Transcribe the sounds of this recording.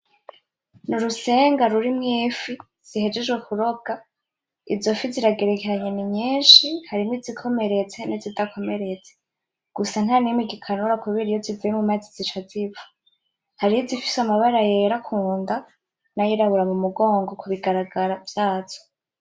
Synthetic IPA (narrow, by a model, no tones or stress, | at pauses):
nuɾuse̞ːŋɡaɾuɾimŋiːfi | z̥ihe̞d͡ʒe̞d͡ʒɡwekuɾo̞ɡ̥a | izo̞fiziɾaɡe̞ɾe̞ke̞ɾaɲeniɲiːnʃihaɾimwizikʰo̞me̞ɾe̞t͡se̞nizidakʰo̞me̞ɾe̞t͡se̥ | ɡ̥usan̥hanimiɡikʰanuɾakuβiɾijoziviemumazizit͡ʃazivḁ | haɾijozifi̥samaβaɾajeɾakʰuːnda | najiɾaβuɾamumuɡo̞ːŋɡo̞kuβiɡaɾaɡaɾavjaːz̥o̥